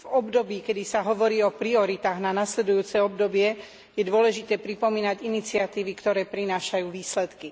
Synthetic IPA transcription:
vɔbd̪ɔbiːkɛd̪isaɦɔʋɔɾiːɔpɾiɔɾit̪aːɣnanaslɛd̪ujuːt͡sɛɔb̚d̪ɔbɪɛ | jɛd̪ʊɔlɛʒit̪ɛːpɾipɔmiːnaɟinit͡siat̪iːʋikt̪ɔɾɛːpɾinaːʃajuːʋiːslɛt̪ki

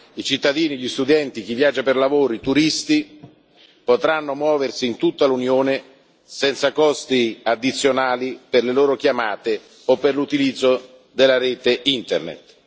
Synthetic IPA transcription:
it͡ʃit̪ːad̪iːniʎːist̪ud̪ɛnt̪ik̟ivːjaːd͡ʒːaperlavoːɾoit̪uɾist̪i | pot̪ɾanːomwɔːversiːnt̪ut̪ːalunjoːne | sɛnt̪sakɔst̪iad̪ːit̪sːjonaːliperleloːɾok̟jamaːt̪e | opːerlut̪ilid̪zːo | d̪elːaɾeːt̪eint̪ḛrnḛt̪

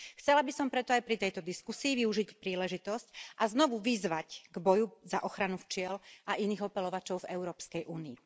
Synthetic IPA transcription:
xt͡sɛlabisɔmpɾɛt̪ɔajpɾit̪ɛjt̪ɔd̪iskusiːʋiuʒicpɾiːlɛʒit̪ɔscʔaznɔʋuʋizʋacɡbɔjuzaʔɔxɾanuft͡ʃɪɛlaʔiniːɣɔpɛlɔʋat͡ʃɔʊvɛʊɾɔːpskɛjʔuːniː

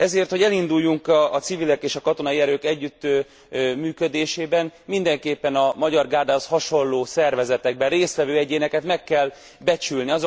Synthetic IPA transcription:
ɛzeːrt̪ho̞ɟɛlind̪ujːuŋkɒt̪sivilɛkeːʃɒkɒt̪o̞nɒiɛɾøːkɛɟːyt̪ːø | myːkød̪eːʃeːbɛnmind̪ɛŋkeːpːɛnɒmɒɟɒrɡaːd̪aːshɒʃo̞nlːoːsɛrvɛzɛt̪ɛɡ̚bɛnreːst̪ʋɛvøːɛɟeːnɛkɛt̪mɛkːɛl | bɛt͡ʃylniɒzo

